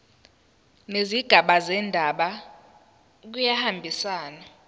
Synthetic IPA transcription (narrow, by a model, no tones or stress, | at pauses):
neziɡ̥ʱaɓazɛndʱaɓa | k̬ujahambʱisaːna